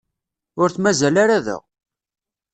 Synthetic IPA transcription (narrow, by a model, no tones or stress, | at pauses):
ʊɾθmæzælaɾæðə̰ʁ